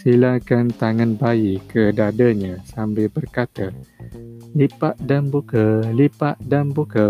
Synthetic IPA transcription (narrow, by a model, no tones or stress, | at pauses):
silakant̪aŋanbaikʰədadaɲãsambɪlbərkat̪a | lipaʔ̚danbukalipaʔdanbuka